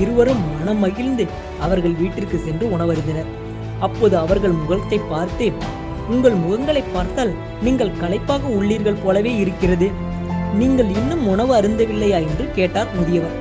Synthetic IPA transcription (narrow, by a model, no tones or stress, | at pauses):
ɪɾɯʋɐɾɯmːɐnɐmɐɣɪlnd̪ɯ | ɐʋɐɾɣɐɭʋiːʈːɪrkɯsɛndrɯʊɳɐʋɐɾɯnd̪ɐnɐɾ | ɐpːoːðɯɐʋɐɾɣɐɭmʊɣɐɭɐt̪ːɐɪpːaːɾt̪eː | ʊŋɡɐɭmʊɣɐŋɡɐɭɐɪpːaːɾt̪aːl | niːŋɡɐɭkɐlɐɪpːaːɣɐʊɭːiːɾɣɐɭpoːlɐʋeːɪɾɯkːɪrɐðɯ | niːŋɡɐɭɪnːɯmʊɳɐʋɯɐɾɯnd̪ɐʋɪlːɐjaːɛndrɯkeːʈːaːɾmʊðɪjɐʋɐɾ